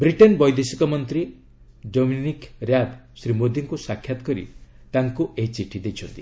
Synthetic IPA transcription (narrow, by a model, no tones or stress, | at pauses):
bɾiʈenbɔjd̪esikɔmɔnt̪ɾi | ɖominikɾjad̪sɾimod̪ʱiŋkusakʰːjat̪ɔ̥kɔɾḭ | t̪aŋkuʔeɦit͡ʃiʈʰid̪et͡ʃʰɔnt̪ḭ